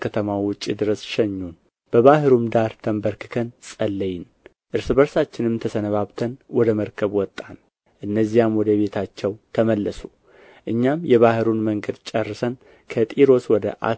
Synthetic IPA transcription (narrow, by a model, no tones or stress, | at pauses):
kʰət̪ʰəmawʊt͡ʃʼːid̪ɨɾəsʃɛɲːun | b̥əβahɨɾumd̪aɾt̪ʰəmbəɾkɨ̥kʰənsʼəlːəjɪn | ʔɨɾsɨbəɾsat͡ʃːɪnɨmt̪ʰəsənəβaβt̪ʰənwɔd̪əməɾkʰəβwɔt̪ʼːan | ʔɨnːəzːijamwɔd̪əβe̞t̪ʰat͡ʃːɛwt̪ʰəməlːəsu | ʔɨɲːamjɛβahɨɾunməŋɡəd̪t͡ʃʼərːɨsən | kʰət̪ʼiɾo̞swɔd̪ə̰ʔa̰